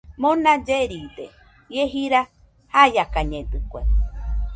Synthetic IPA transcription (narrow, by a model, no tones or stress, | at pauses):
mõnad͡ʒeɾid̪e | jeɦiɾa | hajakaɲẽd̪ɨkʷe